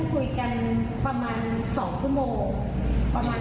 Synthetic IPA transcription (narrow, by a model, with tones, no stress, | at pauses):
kʰu˧jka˧npɾa˧maː˧n | sɔː˩˦ŋt͡ɕʰu˥˩ə˨moː˧ŋ | pɾa˧maː˧